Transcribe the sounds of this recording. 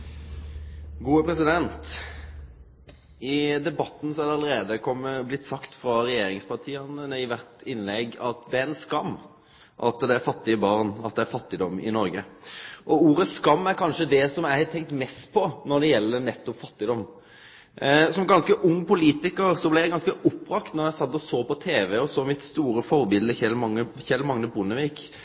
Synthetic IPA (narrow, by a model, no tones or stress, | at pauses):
ɡuːəpʰɾɛsɪd̪ɛnt̪ | ɪd̪ɛbɑt̪ːn̩sɔæɾd̪ɛɑləɾeːd̪əkʰɔmːəblɪt̪ːsɑkt̪fɾɑɾɛjeːɾɪŋspɑʁt̪ʰiːɑnənəɪʋæɾt̪ɪnlɛɡɑt̪d̪ɛæɾɛnskɑmː | ʔɑt̪d̪ɛæɾfɑt̪ːɪəbɑɾnɑt̪̚d̪ɛæɾfɑt̪ːɪd̪ɔmːɪ̰nɔɾɡəʔɔuːɾəskɑmːæɾkʰɑnʂəd̪ɛsɔmæɪhɑt̪ʰɛŋk̚t̪mɛst̪pʰɔnɔɾd̪ɛjɛlːəɾnɛt̪ːɔpfɑt̪ːɪd̪ɔmː | sɔmɡɑnskəʔʊŋːpʊliːt̪ɪkəɾsɔblɪjæɪɡɑnskəʔʊpːɾɑkt̪nɔɾjæɪsɑt̪ːɔsoːpɔt̪ʰeːʋɛɔsɔmɪt̪st̪uːɾəfɔɾbɪld̪əçɛlmɑŋːəçɛlmɑŋːəbʊnəʋiːk